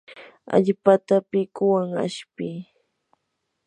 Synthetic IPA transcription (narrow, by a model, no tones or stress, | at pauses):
a̰ʎpat̪apɪkʊwaŋa̰ʃpɪ